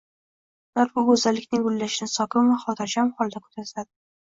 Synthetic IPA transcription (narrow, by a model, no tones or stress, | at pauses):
laɾbʊɡɵzalːɪkʲnɪŋɡʊlːaʃɪnɪsɒkʲɪmvaχɒt̪ʰad͡ʒamχɒlˠd̪akʰɵ̥t̪ʰaɾt̪ad̪ɪ